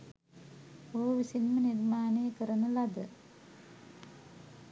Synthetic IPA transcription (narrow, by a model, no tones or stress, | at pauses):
oːʋisinmɐniɾmaːneːkɨrɐnːulːɐd̪ɨ